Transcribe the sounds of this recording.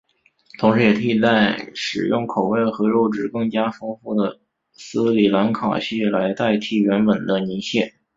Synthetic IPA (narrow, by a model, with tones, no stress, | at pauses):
t̪ʰʊ˧˥ŋʂɻ̩˧˥jɛ˨˩t̪ʰi˥˩˥t̪a˥˩ɪʂɻ̩˨˩jʊ˥˩ŋkʰo˨˩ʊwe˥˩ɪxɤ˧˥ɻo˥˧ʊʈ͡ʂɻ̩˥˩kɤ˥˩ŋt͡ɕja˥fɤ˥ŋfu˥˩d̪ə˩ | sɹ̩˥li˨˩la˧˥nkʰɑ̰˨˩ʊɕi˥˩la˧˥ɪt̪a˥˧ɪt̪ʰi˥˩ɥɛ˧˥nwə˨˩nd̪ə˦ni˧˥nɕjɛ˥˩